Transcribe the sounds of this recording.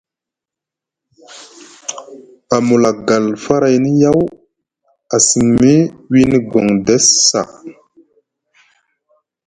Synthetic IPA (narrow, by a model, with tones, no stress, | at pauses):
a˨mu˨la˨ɡa˨lfa˦ɾa˨jni˦ja˦w | a˨si˨ŋmi˦wi˦ni˦ɡo˨ŋde˦sːa̰˨